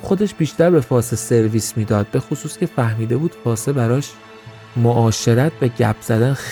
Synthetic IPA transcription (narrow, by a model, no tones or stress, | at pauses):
xo̞d̪e̞ʃb̥iːʃt̪æɾbe̞fɒːsese̞ɾviːsmiːd̪ɒːd̪̥̚be̞xosuːscʰʲe̞fæhmiːd̪e̞buːd̪̥fɒːsebæɾɒːʃ | moʔɒːʃe̞ɾæt̪ʰvæɟæpʰz̥æd̪æn